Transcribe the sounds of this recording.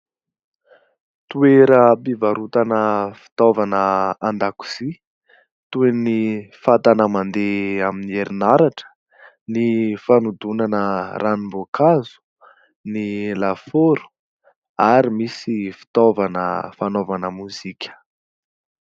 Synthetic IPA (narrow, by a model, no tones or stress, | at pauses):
t̪ueɾəpivaɾut̪anəfi̥t̪ovanəand̪aku̥z̥i | t̪uenifat̪anəmand̪eaminieɾinaɾaʈ͡ʂə̥ | nifanud̪unanərʔanimbokazu̥ | nilafoɾu̥ | aɾimisifi̥t̪ovanə̰fanovanəmuzikʲə̥